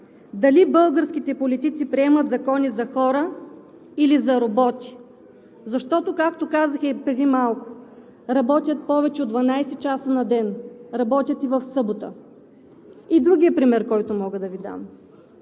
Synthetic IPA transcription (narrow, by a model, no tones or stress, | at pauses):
d̪ɐlibɤlˠɡəɾsk̟it̪ɛpolit̪it̪sipɾiɛmət̪zɐkɔnizɐxɔɾə | ilizɐɾobɔt̪i̥ | zɐʃt̪ɔt̪okakt̪okazəxɛpɾɛd̪imalˠkʊ̥ | ɾɐbɔt̪ʲjət̪̚pɔvɛt͡ʃɛod̪vɐnajsɛt͡ʃasənɐd̪ɛnɾɐbɔt̪ʲjət̪ivɐfsɤbot̪ə̰ | id̪ɾuɡʲiəpɾimɛɾkɔjt̪ʊmɔɡəd̪ɐvid̪a̰m